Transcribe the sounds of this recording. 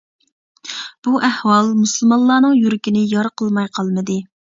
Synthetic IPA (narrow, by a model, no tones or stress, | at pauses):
b̥uʔæhwɑlˠmusɨlˠmɑlˠːɑːnəŋjuɾɪkʲinɪjɑɾqʰəlˠmɑjqʰɑlˠməd̪ɨ